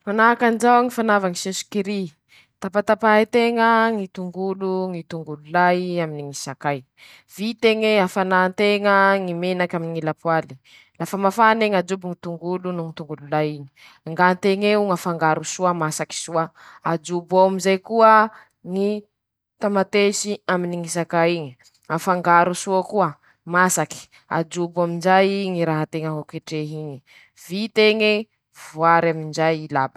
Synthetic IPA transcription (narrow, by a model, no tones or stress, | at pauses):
manakand͡ʒawŋifanavaŋisesu̥kiɾi | t̪apat̪apaɦit̪eŋəŋit̪uŋɡuluŋit̪uŋɡululajaminiŋisakaj | vit̪eŋeafanant̪eŋəŋimenakaminiŋilapwali̥ | lafəmafaneŋad͡ʒubuŋit̪uŋɡulunuŋit̪uŋɡululajiɲi̥ | ŋɡant̪eŋeuŋafaŋɡaɾusuamasaki̥suaad͡ʒubawamizajkuə | ŋi | t̪amat̪esiaminiŋisakaiɲi | afaŋɡaɾusuakuə | masaki̥ | a̰d͡ʒubamind͡ʒajiŋiɾaɦat̪eŋaɦokeʈ͡ʂeɦiɲi | vit̪eŋe | vwaɾamind͡ʒajilabḁ